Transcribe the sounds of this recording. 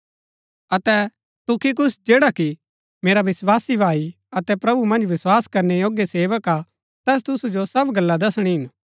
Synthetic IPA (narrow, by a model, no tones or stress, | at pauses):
ɐt̪ɛ | t̪ʊkʰik̬ʊsd͡ʒeːɽaki | meːɾaʋɪswaːsibʱaːi | ɐt̪ɛpɾɐbumɐ̃nd͡ʒʋɪswaːskɐɾnejoːɡeseːʋəka | t̪ɛːs̬t̪ʊsud͡ʒosɐbɡɐlːad̪ɐsɽ̃iɦɪn